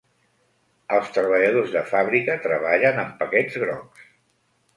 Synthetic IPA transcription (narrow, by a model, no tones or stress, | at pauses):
əlˠst̪ɾəβəʎəð̞ozðəfaβɾikət̪ɾəβ̞aʎənəmpəkɛd͡zɣɾɔks